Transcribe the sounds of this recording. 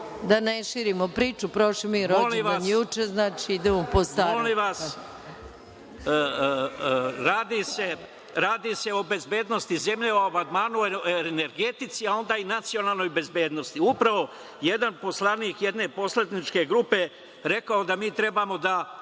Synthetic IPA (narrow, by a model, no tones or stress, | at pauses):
d̪aneʃiːɾimopɾiːt͡ʃupɾoʃomiɾoliʋaɲjut͡ʃeznaːt͡ʃiid̪emopost̪aoliʋas | ɾaːd̪ise̞ | ɾaːd̪ise̞o̞be̞zbeːd̪no̞st̪ize̞mʎeoabad̪maːnune̞ɾɡe̞t̪it̪siao̞nd̪aːinat̪sijo̞nalˠno̞jbe̞zbe̞ːd̪no̞st̪iupɾaʋo̞ | je̞d̪anpo̞slˠaniːkjed̪ne̞po̞sled̪nit͡ʃke̞ɡɾupe̞ | ɾe̞kaod̪amiːt̪ɾe̞baːmo̞d̪a